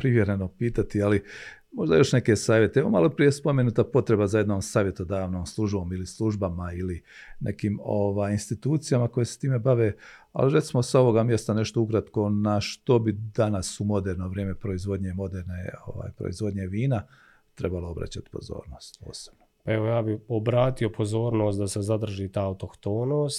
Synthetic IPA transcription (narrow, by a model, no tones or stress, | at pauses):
pɾiʋje̞ɾenopiːt̪at̪iali | mo̞ʒd̪ajo̞ʃne̞ke̞saːʋje̞t̪eeʋo̰malo̞pɾije̞spo̞mjenuːt̪apo̞t̪ɾe̞bazaje̞d̪no̞ːmsaːʋjet̪od̪aːʋnoːmslˠuʒbo̞milislˠuʒbamaili | ne̞̰kiːmoʋaːjinst̪it̪uːt̪sijamako̞jese̥t̪iːme̞baʋe | a̰liɾe̞t̪simo̞sao̞ʋo̞ɡamje̞st̪ane̞ʃt̪o̞ukɾat̪ko̞naʃt̪o̞bid̪anasumo̞d̪eɾnoʋɾjeːme̞pɾo̞izʋo̞d̪ɲemo̞d̪eɾneo̰ʋa̰ːjpɾo̰izʋo̞d̪ɲeʋiːna | t̪ɾe̞balˠoo̞bɾa̰t͡ɕat̪i̥po̞̰zo̞̰ːɾno̞ːst̪po̞̰ːseb̥nopaeʋojaːbiobɾaːt̪io̞pozoːɾnoːst̪d̪asezad̪r̩ʒiːt̪ajaut̪okt̪oːnoːst̪